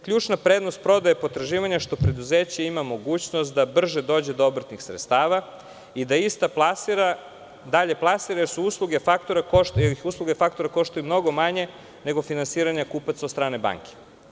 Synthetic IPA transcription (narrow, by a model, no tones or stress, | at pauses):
kʎʲuːt͡ʃnapɾe̞ːd̪no̞st̪̚pɾo̞d̪ajepo̞t̪ɾaʒiːʋaɲaʃt̪o̞pɾe̞d̪uze̞ːt͡ɕaimamo̞ɡuːt͡ɕno̞st̪̚d̪abr̩ʒed̪o̞ːd͡ʑe̞d̪oobr̩t̪nixsɾet̪st̪aːʋa | id̪aist̪apasiɾa | d̪aʎe̞plˠasiɾajeɾsuuːslˠuɡe̞fakt̪oɾakojeiuːslˠuɡefak̚t̪o̞ɾako̞ʃt̪ojumno̞ɡo̞maɲe̞ | ne̞ɡo̞finansiːɾaɲakuːpat̪sod̪st̪ɾaːne̞ba̰ŋkʰe̥